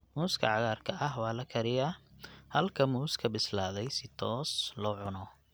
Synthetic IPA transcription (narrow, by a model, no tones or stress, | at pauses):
muːskʰɐ̰ʕɑɣaːrkʰɐʔɐɦwɑːlɐkʰɐɾɪjɐhɐlkʰɐmuːskʰɐbɪslaːðɛjsɪt̪ʰɔːslɔːʕʊnɔ